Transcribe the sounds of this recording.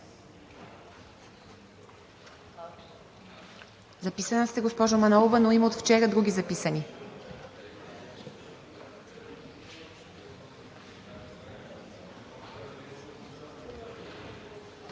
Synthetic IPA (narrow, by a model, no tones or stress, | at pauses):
zɐpisənəst̪ɛɡospɔʒomɐnɔlˠovənoimot̪ft͡ʃɛɾəd̪ɾuɡʲizɐpisəni